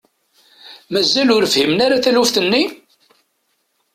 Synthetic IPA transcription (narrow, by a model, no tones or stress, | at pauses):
mæzːælʊɾəfhimnaɾaθælufθənːi